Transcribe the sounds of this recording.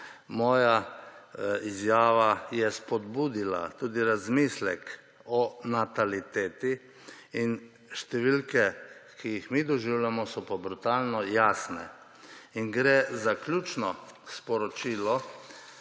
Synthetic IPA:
mɔːja | izjaːʋajɛspɔd̪buːd̪ila̰t̪uːd̪iɾazmislɛk | ɔnat̪alit̪eːt̪i | in | ʃt̪ɛʋilkɛkʰijixmid̪ɔʒiwljamɔsɔpɔbɾut̪aːlnɔjaːsnɛ̰ | inɡɾɛzaklʲjuːt͡ʃnɔspɔɾɔt͡ʃiːlɔ

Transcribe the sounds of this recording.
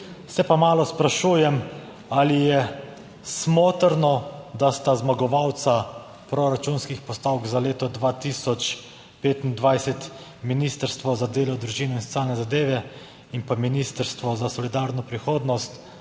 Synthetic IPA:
sɛpamaːlɔspɾaʃuːjɛm | alijɛ | smoːt̪əɾnɔd̪ast̪azmaɡɔʋawt̪sa | pɾɔɾat͡ʃunskixpɔst̪awkzaleːt̪ɔd̪ʋaːt̪isɔt͡ʃ | peːt̪ind̪ʋajsɛt̪ | minist̪əɾst̪ʋɔzad̪eːlɔd̪ɾuʒiːnɛinsɔ̥t͡s̪ʲjaːlnɛzad̪eːʋɛ | inpaminist̪əɾst̪ʋɔzasɔlid̪aːɾnɔpɾixoːd̪nɔst̪

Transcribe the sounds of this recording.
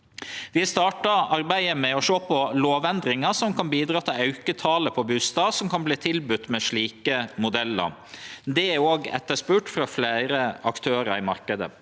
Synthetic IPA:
ʋɪst̪ɑːʈɑɑɾbæɪəmɛɔʃoːpʰɔloːʋɛnd̪ɾɪŋɑsɔmkʰɑnbiːd̪ɾɑːt̪ʰɪlɑʉkət̪ʰɑːləpʰɔbʉːst̪ɑːʋsɔmkʰɑnbliːt̪ʰɪlbʉt̪ːmɛʂɭiːkəmʊd̪ɛlːə̰ɾ | d̪ɛæoːɡɛ̰t̪ːəʂpʉːʈfɾɑflæɪɾəɑkt̪ʰøːɾɑɾɪmɑɾkəd̪ə̰

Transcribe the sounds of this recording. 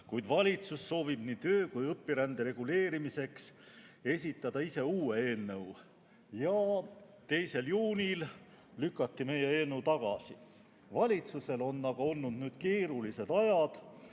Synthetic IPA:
kujd̪vɑlʲit̪susːo̞ːvib̥niːt̪ø̞ːkujɤpːiɾænd̪eɾe̞ɡ̥ule̞ːɾimise̞ks | e̞sʲit̪ːˑɑd̪̥ɑise̞uːee̞ːnːew | jɑ | t̪e̞jse̞ljuːnʲil | lykːˑɑt̪ːime̞jee̞ːnːəwt̪ɑɡ̥ɑ̰si | vɑlʲit̪suse̞lo̞nːɑɡ̥ɑo̞lnud̪nyːd̪̥̚ke̞ːɾulise̞d̪ɑjɑd̪̥

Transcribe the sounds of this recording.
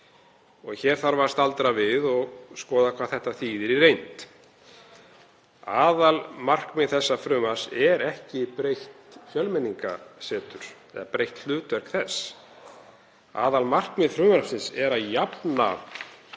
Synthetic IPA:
ɔɣçɛːɾ̥θaɾvḁst̪alt̪ɾavɪðɔɣskɔːðakʰvaðθɛht̪ːaθiːðɪɾirejnt̪ | aːðalmar̥kmɪðθɛsːafɾʏːmasɛɾɛhcɪpɾejht̪fjœlmɪnːiŋka̰sɛːt̪ʏɾ̥θɛ̰ðapɾejht̪l̥ʏːt̪vœr̥kθɛsː | a̰ːðalmar̥kmɪðfɾʏːmaɾsɪnsɛɾaðjapna̰

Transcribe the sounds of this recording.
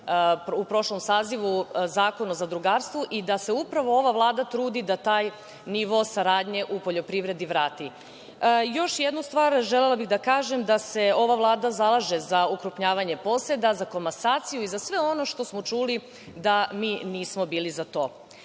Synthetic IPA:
pupɾo̞ʃlomsaːziʋuzaːko̞nuzad̪ɾuɡaːɾst̪ʋoʔid̪ase̞upɾaʋo̞o̞ʋaʋlˠaːd̪at̪ɾuːd̪id̪at̪aːj | niʋo̞saɾaːd̪ɲe̞ʔupo̞ʎo̞pɾiʋɾe̞d̪iʋɾaːt̪i | jo̞ʃjed̪nust̪ʋaːɾʒelelˠabiɣd̪akaːʒe̞md̪ase̞o̞ʋaʋlˠaːd̪azalˠaʒezaukɾupɲaːʋaɲe̞po̞se̞d̪azakomasaːt̪sijuizasʋe̞o̞no̞ʃt̪o̞smo̞t͡ʃuːli | d̪amiːniːsmo̞biːlizat̪o̞ː

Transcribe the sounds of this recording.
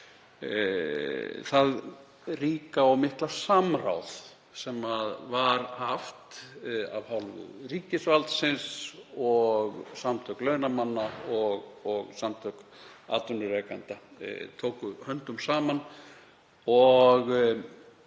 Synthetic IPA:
θað | riːkaawmɪhklasamra̰wθ | sɛmaðvaɾhaft̪a̰vhawlvʏ̰riːcɪsvalt̪sɪnsɔɣsamt̪ʰœklœːɥnamanːaɔɣɔɣsamt̪ʰœka̰ːt̪ɔnʏɾeːkant̪a̰t̪ʰoːwkʏhœnt̪ʏmsaːman | ɔɣ

